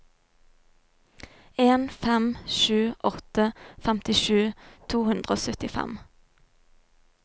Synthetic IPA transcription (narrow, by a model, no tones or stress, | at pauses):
eːnfɛmʃʉːʔɔt̪əfɛmt̪ɪʃʉːt̪ʰuːhʉnd̪ʁəoːsœt̪ɪfɛ̰m